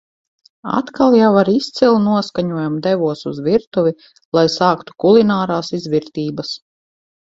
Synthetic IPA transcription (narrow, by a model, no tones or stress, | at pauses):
a̰t̪kalˠjawaɾist̪silˠnuɔskaɲuɔjamd̪ɛvuɔsuzviɾt̪uvʲi | lˠajsaːkt̪u̥kulˠinaːɾaːsizviɾt̪iːbas